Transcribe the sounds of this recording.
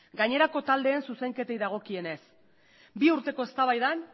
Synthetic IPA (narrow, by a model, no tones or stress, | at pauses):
ɡaɲe̞ɾako̞t̪ald̪e̞ːnsuse̞ŋke̞t̪e̞jðaɣ̞o̞kie̞ne̞s | biuɾt̪e̞ko̞e̞st̪aβajðan